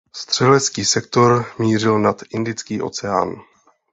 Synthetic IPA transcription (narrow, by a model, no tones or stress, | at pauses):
st̪r̝̥ɛlɛt͡skiːsɛk̚t̪o̞ɾmiːr̝ɪlnat̪ʔɪndɪt͡skiːʔo̞̰t͡sɛa̰ːn